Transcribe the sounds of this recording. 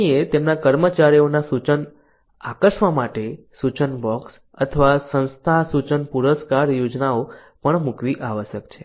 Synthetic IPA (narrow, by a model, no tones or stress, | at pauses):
iet̪emnakəɾmət͡ʃaɾijonasut͡ʃən | akəʃʋamaʈe | sut͡ʃənbɔks | ət̪ʰəʋasə̃nst̪ʰasut͡ʃənpuɾəskaɾjod͡ʒnao | pəɳmukʋiʔaʋəʃjəkt͡ʃʰe